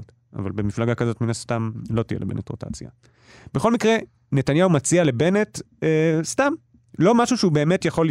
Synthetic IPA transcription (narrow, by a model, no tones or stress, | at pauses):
t | a̰valbemiflaɡakazo̞tminast̪amlotijelebḛnetʁota̰t͡sja̰ | b̥eχo̞lmikʁe̞ | ne̞tanjaumat͡siale̞be̞net | estam | lo̞maʃuʃeube̞ːme̞tjaχo̞l